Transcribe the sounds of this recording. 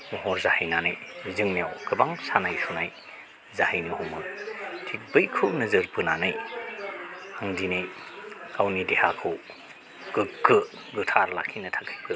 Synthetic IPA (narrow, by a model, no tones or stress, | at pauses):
muɦɔɾzahijnanajzɯŋnijawkʰɯbaŋsanajsunaj | zahijnɯhumɯtʰik̚bɯjkʰɯnɐzɯɾpɯnanaj | aŋdinɯjkawnidehakʰɯw | ɡ̥ɯkkːɯ | ɡɯtʰaɾla̰kʰːinɐtʰakʰajpʰɯ